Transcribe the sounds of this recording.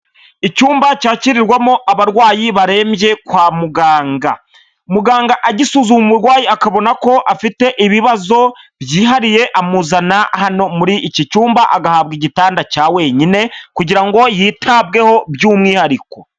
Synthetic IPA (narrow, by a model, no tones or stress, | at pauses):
icuːmbacaːciɾiɾɡwamoʔaβaɾwaːjiβaɾe̞ːmje̞kwaːmuɡaːŋɡa̰ | umuɡaːŋɡaʔaɟisuzumummuɾwaːjiakaβo̞nako̞ʔafite̞ʔiβiβazo̞bjiːɦaɾije̞ʔamuzanahano̞muɾiʔːcicuːmbaʔa̰ɡahabɡiɟitaːndacaːwe̞ɲine̞kuɟiɾaŋɡo̞jiːtʰaβ̚ɡe̞ho̞bjuːmŋiːhaɾiko̞